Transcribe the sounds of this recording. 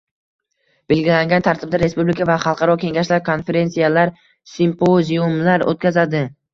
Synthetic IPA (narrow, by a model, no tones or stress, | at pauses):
b̥e̞lɡʲɪlaŋɡʲant̪ʰaɾt̪ʰɪb̚d̪aɾe̞spublɪkʰavaχɑlˠqʰɑɾɒkʲʰe̞ŋɡaʃlaɾkʰo̞nfe̞ɾe̞nsijalaɾ | simpʰoziumlaɾo̰t̪̚kʲazad̪ɪ